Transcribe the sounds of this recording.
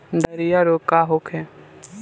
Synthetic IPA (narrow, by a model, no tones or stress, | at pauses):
d̪ɐɾijaɾoːkaɦokɦɛ